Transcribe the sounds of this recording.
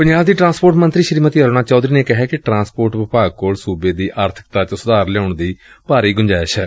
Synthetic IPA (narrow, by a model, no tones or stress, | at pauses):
pʊɲd͡ʒaːbd̪iːʈɾãːspoːɾʈmənt̪ɾiːʃəɾiːmət̪jəɾoːnaːt͡ʃɔːd̪ɾiːneːkɪɦɛːkɪʈɾãːspoːɾʈʋɪpaːɡ̚koːlsuːbeːd̪iːʔaːɾt̪ʰə̥kt̪aːt͡ʃsʊd̪aːɾlɛaːʊɳd̪iː | paːɾiːɡʊɲd͡ʒaːʃɛː